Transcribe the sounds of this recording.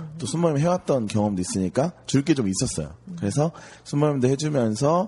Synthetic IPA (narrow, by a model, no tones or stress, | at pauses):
t͈osʰumːʌɲmɦewat̚t͈ʌnkjʌŋʌmdois͈ɯɲik͈at͡ɕuɭk̬͈e̞d͡ʑomis͈ʌs͈ʌjo̰kɯɾe̞sʰʌsʰunmːʌimdehed͡ʑumjʌns̬ʰʌ